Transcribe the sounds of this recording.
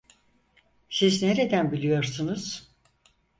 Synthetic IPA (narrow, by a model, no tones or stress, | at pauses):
sizne̞ɾe̞d̪ænbilʲijo̞ɾsunuz̥